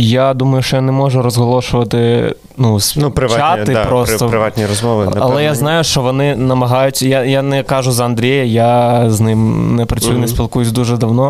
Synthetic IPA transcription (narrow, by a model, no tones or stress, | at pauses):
jad̪umɐjʊʃt͡ʃɔjanɛmɔʒɛɾɔzɦɔlˠɔʃʊʋɐt̪ɪ | nusnupɾɪaat̪ɪpɾɔsst̪ɔɾɪʋat̪nʲiɾɔzmɔʋɪɐlˠɛjaznɑjʊʃt͡ʃɔʋɔnɪnɐmɐɦɑjʊtʲjajanɛkɑʒʊzɐɐnd̪ɾʲejɐjaznɪmnɛpɾɐt͡sʲujʊnɛsʲpʲilˠkujʊsʲd̪uʒɛd̪ɐwnɔ